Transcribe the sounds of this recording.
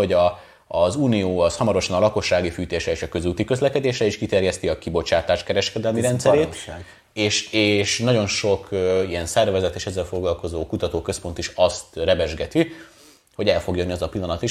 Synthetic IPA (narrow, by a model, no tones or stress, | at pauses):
o̞ɟɒː | zuːnioːɒshɒmɒɾo̞ʃɒnɒlɒko̞ʃːaːɡifyːt̪eːʃɾɛeːʃɒkø̞zuːt̪ikø̞zlɛkɛd̪eːʃɾɛiʃkit̪ɛrjɛst̪iɒkibo̞t͡ʃaːt̪aːʃkɛɾɛʃkɛd̪ɛlmiɾɛnt̪sɛɾeː | eːʃeːʃnɒɟo̞nʃo̞køijɛnsɛrvɛzɛt̪eːʃɛzːɛlfo̞ɡlɒlko̞zoːkut̪ɒt̪oːkø̞spo̞nt̪iʃɒst̪rɛbɛʒɡɛt̪i | ho̞ɟɛlfo̞ɡjønːiɛzɒpilːɒnɒt̪iʃ